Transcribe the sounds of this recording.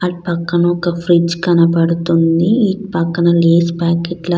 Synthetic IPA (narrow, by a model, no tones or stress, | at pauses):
ɐʈipɐkːɐnɐɔkɐpʰɾid͡ʒkɐnɐpɐɽut̪und̪iiʈpɐkːɐnɐleːspaːkeʈlɐ